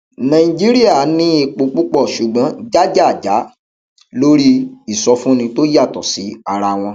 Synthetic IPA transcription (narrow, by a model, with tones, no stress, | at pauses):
nã˨ĩ˨d͡ʒi˦ɾi˦a˦˨˦nĩ˦i˧k͡po˧k͡pu˦k͡pɔ˦˨ʃu˨ɡ͡bɔ̃˨˦d͡ʒa˦d͡ʒa˦˨d͡ʒa˨˦ | lo˦ɾi˦i˨sɔ˧fũ˦nĩ˧to˦ja˦˨tɔ˨si˨˦a˧ɾa˧w̃ɔ̃˧